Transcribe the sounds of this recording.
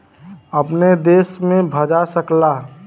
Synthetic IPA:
əpned̪esmẽbʱəd͡ʒasəkla

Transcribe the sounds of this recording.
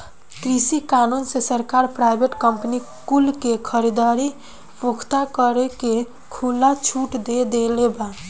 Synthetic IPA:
kɾisikanunsesəɾkaɾpɾajbʱeʈkəmpni | kulkekʰəɾid̪aɾi | pokʰt̪akəɾeke | kʰulat͡ʃʰuʈd̪ed̪eleba

